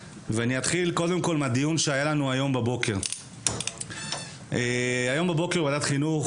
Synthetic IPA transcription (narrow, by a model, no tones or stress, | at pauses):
veaniat̪χilko̞d̪e̞mko̞lmad̪ijunʃeajalanuajo̞mbebo̞ke̞ʁ | eajo̞mbebo̞keuvad̪at̪χinuχ